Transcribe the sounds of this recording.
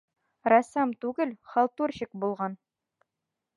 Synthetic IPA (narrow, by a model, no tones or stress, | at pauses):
rɑsɑmt̪ʉɡɘlχɑlˠt̪uɾɕɘk̚bulˠʁɑn